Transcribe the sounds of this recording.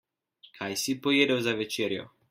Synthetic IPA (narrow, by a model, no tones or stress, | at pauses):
kʰajsipojeːd̪ɛwzaʋɛt͡ʃeːɾjɔ̰